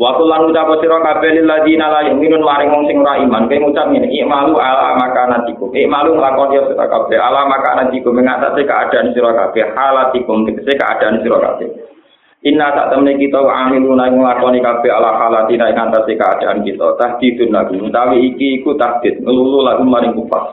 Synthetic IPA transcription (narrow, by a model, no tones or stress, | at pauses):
wat̪ulanut͡ʃapɔsiɾɔkab̥ɛlɪlːad̪inalainminʊnmaɾɪŋwɔŋsɪŋuɾaimankajŋut͡ʃap̚ŋinɪkɪʔmalualamakanat̪ikʊmeʔmaluŋəlakɔnsiɾɔsiɾɔ̰ka̰b̥ɛɦa̰lamaka̰nat̪ikʊmeŋa̰t̪a̰sekəa̰d̥a̤ʔansiɾɔkab̥ɛhhalat̪ikʊmt̪kəsehkə̰ʔa̰d̥aʔansiɾɔka̰b̥ɛ̰ | ʔinːasa̰ʔt̪əmnekit̪ɔkʔamilunaiŋəlakɔnikab̥ɛɦalahalat̪inaiʔŋat̪asekəa̰d̥aʔankit̪ɔ̰t̪ahd̪̥id̪̥ʊnlaɡ̥uŋət̪awiːkiːkut̪ahd̪̥ɪt̪̚ŋəlululaɡ̥umaɾɪŋpupa̰h